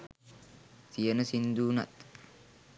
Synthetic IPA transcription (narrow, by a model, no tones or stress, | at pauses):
t̪ijɐnɐsɪnd̪uːnɐ̰t̪ː